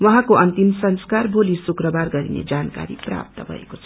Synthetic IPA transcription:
wʌɦãkoʔʌnt̪imsʌnskarbʱolisukɾʌbarɡʌɾḭnḛd͡zanka̰ɾḭpra̰p̚t̪ʌbʱʌ̰ḛkot͡sʰʌ̥

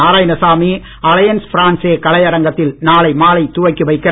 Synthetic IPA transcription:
aːɾaːjɐnɐsaːmi | ɐlɐjɐnsfɪɾaːnseːkɐɭɐjɐɾɐŋɡɐt̪ːɪlnaːlɐɪmaːlɐɪt̪ːʊʋɐɪkːɯʋɐɪkːɪr

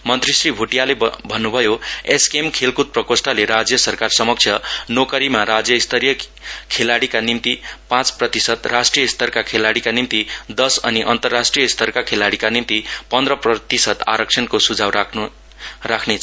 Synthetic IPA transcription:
mʌnt̪risribʱuʈijalebʱʌnːubʱʌjoeskemkʰelkut̪̚prʌkosʈaleɾad͡zjʌsʌrkarsʌmʌk̚t͡sʰjʌnokʌɾimaɾad͡zjʌist̪ʰʌɾijʌ | kʰelaɽikanimt̪ipãt͡sprʌt̪isʌt̪rasʈrijʌist̪ʰʌrkakʰelaɽikanimt̪id̪ʌsʌ̰niʔʌnt̪ʌrːasʈrijʌist̪ʰʌrkakʰelaɽikanimt̪ipʌnd̪rʌprʌt̪isʌt̪a̰ɾʌk̚t͡sʰʌnkosud͡zawakʰ | rakʰnet͡sʰ

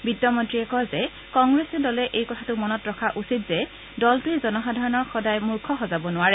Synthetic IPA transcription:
bidɔmɔntɹiɛkɔzɛ | kɔŋɡɹesɛdɔlɛʔejkɔtʰatʊmɔnɔtɹɔkʰaʔusit̚z̥ɛ | dɔltʊɛzɔnɔɦadʱaɹɔnɔɹxɔdajmuɹkʰːɔɦɔzabɔnʊwaɹɛ

